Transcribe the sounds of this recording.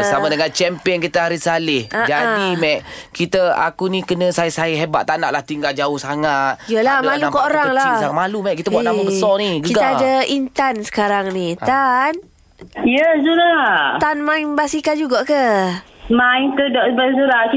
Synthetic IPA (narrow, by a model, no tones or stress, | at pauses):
bəsamadəŋant͡ʃɛmpiəŋkit̪əaɾisalɪhad͡ʒadimɛʔkit̪əa̰kunikənə̃sajsajəɦeba̰ʔt̪ana̰ʔlaht̪iŋɡald͡ʒaʊhsaŋat̪̚jəlamãluakaʔoɾaŋlaaamalumɛʔkit̪abuaʔnaəbəsɔniɡəiɡat̪aadaint̪ansə̥kaɾaŋnit̪an | ijəsuɾat̪anmãjbasikad͡ʒuɡaʔkə | maŋt̪ədɔʔbəzuɾak